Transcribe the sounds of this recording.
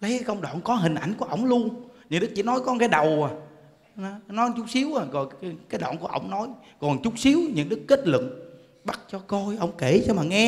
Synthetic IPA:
lə˨˦jkaː˨˦jʔə˧wŋ͡mɗɔ̰ː˧˨nkɔ˨˦ɦï˨˩ŋ̟ʔa˧˩jŋ̟ku˧˩əʔə̰˧˩wŋ͡mlu˧ənɲɨ̰˨˧˥nɗɨ˦˥k̚t͡ɕḭ˧˦nɔ˨˦jkɔ˨˦kaː˨˦jɗə˨˩waː˨˩ | nɔ˨˦nɔ˨˦jt͡ɕʊ˦˥k͡p̚si˨˦əwʔaː˨˩kɔ˨˩˨kaː˨˦jɗɔ̰˧˨nku˧˩əʔə̰˧˩wŋ͡mnɔ˨˦jkɔ˨˩nt͡ɕʊ˦˥k͡p̚si˨˦əwɲɨ̰˧˥ŋɗɨ˦˥kːe˦˥t̚lɨ̰˧˨ŋ̚ | ɓa˦˥t̚t͡ɕɔ˧ko˧jʔə˧˩wŋ͡mke˧˩t͡ɕɔ˧maː˨˩ŋɛ˧

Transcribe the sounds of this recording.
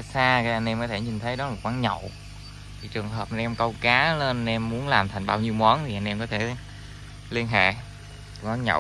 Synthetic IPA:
saː˧kaː˨˦jʔa˧nʔɛ˧mkɔ˨˦t̪ʰe˧˩ɲi˨˩ŋ̟t̪ʰə˨˦jɗɔ˨˦laː˨˩kwaː˨˦nɲə̰˧˨w | t̪ʰi˨˩t͡ɕɨ˨˩əŋɦəː˨˩p̚a˧nʔɛ˧mkə˧wkaː˨˦le˧nɛ˧mːu˨˦ənlaː˨˩mt̪ʰa˨˩jŋ̟ɓaː˧wɲi˧wmwɔ˨˦nt̪ʰi˨˩ʔa˧nʔɛ˧mkɔ˨˦t̪ʰe˧˩ | li˧ənɦḛ˧˨ | kwaː˨˦nɲə̰˧˨w

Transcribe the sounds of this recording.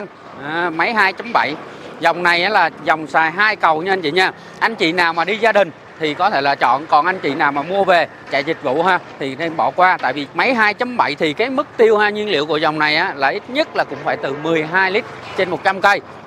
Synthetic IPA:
ŋ | ʔaː˨˩ma˨˦jɦaː˧jt͡ɕa˨˦mɓa̰˧˩˨jzɔ˨˩wŋ͡mna˨˩jʔaː˨˦laː˨˩zɔ˨˩wŋ͡msaː˨˩jɦaː˧jkə˨˩wɲ˧ə˧nt͡ɕḭ˧˨ɲaː˧ | ʔa˧jŋ̟t͡ɕḭ˧˨naː˨˩wmaː˨˩ɗi˧zaː˧ɗï˨˩ŋ̟ | t̪ʰi˨˩kɔ˨˦t̪ʰe˧˩laː˨˩t͡ɕɔ̰˧˨nkɔ˨˩nʔa˧jŋ̟t͡ɕḭ˧˨naː˨˩wmaː˨˩mu˧əve˨˩ | t͡ɕa̰ː˧˨ɲi˨˩k̟̚vṵ˧˨ɦaː˧t̪ʰi˨˩t̪ʰe˧mɓɔ̰˧˩kwaː˧t̪a̰ː˧˨jvi˨˩ma˨˦jɦaː˧jt͡ɕa˨˦mɓa˧˨jt̪ʰi˨˩kaː˨˦jmɨ˦˥k̚t̪i˧əwhaː˧ɲwi˧ənlḭ˧˨əwku˧˩əzɔ˨˩wŋ͡mna˨˩jʔaː˨˦laː˨˩ʔi˦˥t̚ɲə˦˥t̚laː˨˩kʊ̰˧˥ŋ͡mfaː˧˩jt̪ɨ˨˩mɨ˨˩əjɦaː˧jli˦˥t̚t͡ɕe˧nmo˨˩t̚t͡ɕa˧mkə˧j

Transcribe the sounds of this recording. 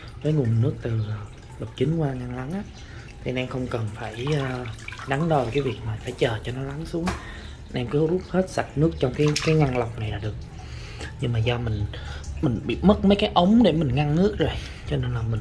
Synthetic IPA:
vəː˨˦jŋu˨˩ənnɨ˦˥ək̚t̪ɨ˨˩˨ | lə˨˩wk͡p̚t͡ɕï˨˦ŋ̟kwaː˧ŋa˧ŋla˨˦nʔaː˨˦ | t̪ʰi˨˩˨nʔɛ˧xə˧wŋ͡mkə˨˩nfaː˧˩jəː˧ɗa˨˦ŋɗə˧˨˩kaː˨˦vi˨˩ək̚maː˨˩faː˧˩jt͡ɕəː˨˩t͡ɕɔ˧nɔ˨˦la˨˦nsu˨˦əŋ˧ | nʔɛ˧mkɨ˨˦zu˦˥p̚he˦˥t̚sa˨˩t̚nɨ˦˥ək̚t͡ɕɔ˧wŋ͡mkaː˨˦jkaː˨˦jŋa˧ŋla˨˩wk͡p̚na˨˩jlaː˧˥˩ɗɨ˨˩ək̚ | ɲɨ˧ŋmaː˨˩zɔ˧mï˨˩ŋ̟mï˨˩ŋ̟ɓḭ˧˨mə˦˥t̚mə˨˦jkaː˨˦jʔə˨˦wŋ͡mɗe˧˩mï˨˩ŋ̟ŋa˧ŋnɨ˦˥ək̚zo˨˩j | t͡ɕɔ˧ne˧nlaː˨˩mï˨˩ŋ

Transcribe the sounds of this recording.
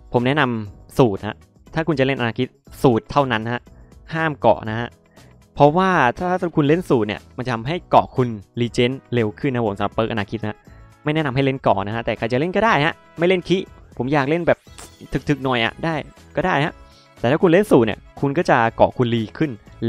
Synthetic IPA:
pʰo˩˦mnɛ˦˥na˧msuː˨˩t̪̚ha̰˦˥ʔ | t̪ʰaː˥˩kʰu˧nt͡ɕa˨˩le˥˩nʔa˧naː˧kʰi˦˥t̪̚suː˨˩t̪ʰːa˥˩wna˦˥nha˦˥ʔhaː˥˩mkɔ̰˨˩ʔna˦˥ha˦˥ʔ | pʰɾɔ˦˥waː˥˩t̪ʰaː˥˩a˥˩˧kʰu˧nle˥˩nsuː˨˩t̪̚nḭ˧˩əma˧nt͡ɕa˨˩t̪ʰa˧mɦa˥˩jkɔ̰ː˨˩kʰu˧nliː˧t͡ɕeː˦˥nle˧wkʰɯ˥˩nː˧˦˥pʰo˩˦sa˨˦la˨˩pɤː˧˦˥k̚ʔnaː˧kʰi˦˥ha˦˥ma˥˩jnɛ˦˥na˧mɦa˥˩jle˥˩nkɔ̰ː˨˩na˦kʰa˦˥t̪ɛː˨˩kʰa˨˩jt͡ɕa˨˩le˥˩nkɔː˥˩daː˥˩jha˦˥ʔ | ma˥˩jle˥˩nkʰi˦˥pʰo˩˦mjaː˨˩k̚le˥˩nbɛː˨˩p̚t̪ʰɯ˦˥k̚t̪ʰɯ˦˥k̚nɔ˨˩jʔa̰˨˩ʔdaː˥˩j | kɔː˥˩daː˥˩jha˦˥ʔ | t̪ɛː˨˩t̪ʰaː˥˩ku˧nle˥˩nsuː˨˩t̪̚nḭ˧˩kʰu˧nkɔː˥˩t͡ɕa˨˩kɔ̰ː˨˩kʰu˧nliː˧kʰɯ˥˩n

